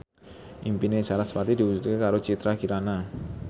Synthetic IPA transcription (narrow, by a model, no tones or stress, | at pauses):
ʔimpinet͡ʃaɾat̪sə̥pat̪id̪iwusut̪̚kekaɾot͡ʃit̪ɾaɡiɾana